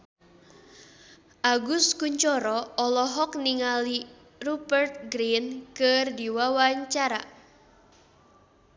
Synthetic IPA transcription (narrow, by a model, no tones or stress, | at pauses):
ʔaɡʊskuɲt͡ʃɔɾɔɔlɔɦɔk̚niŋali | rubərt̪̚ɡɾinkərdiwawaɲt͡ʃaɾa